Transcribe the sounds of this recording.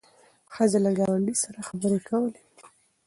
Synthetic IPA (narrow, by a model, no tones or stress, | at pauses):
xəzelaɡɑwaɳɖisaɾaxabəɾekʰawəle̥